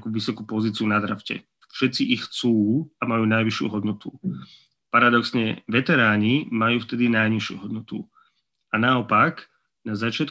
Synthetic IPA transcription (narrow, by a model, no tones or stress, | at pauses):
kuʋisɔkupɔziːt͡siunad̪ɾafcɛ̰ | fʃɛt̪t͡siʔixːt͡suːamajuːnajʋiʃɪṵɦɔd̪nɔt̪u | paɾad̪ɔksɲɛʋɛt̪ɛɾaːɲimajuːft̪ɛd̪inajɲiʃɪṵɦɔd̪̚nɔt̪u | anaɔpak | nazat͡ʃɪat̪